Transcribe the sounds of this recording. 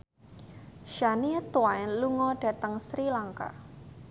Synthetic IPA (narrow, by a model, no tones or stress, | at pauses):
ʃaniɛt̪waɪnluŋɔɖ̥a̤t̪əŋsɾilaŋka̰